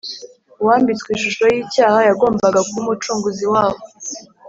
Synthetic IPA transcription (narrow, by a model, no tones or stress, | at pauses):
waːmbit͡skwiʃuʃo̞jiːcaːhajaɡo̞ːmbaɡakumut͡ʃuːŋɡuziwaːβo